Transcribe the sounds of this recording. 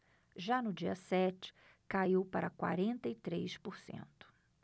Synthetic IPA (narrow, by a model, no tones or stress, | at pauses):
ʒanʊd͡ʒiɐsɛt͡ʃɪ̥ | kaiwpaɾɐkwa̰ɾẽnt̪ɐit̪ɾejspʊɾsḛ̃nt̪ʊ̥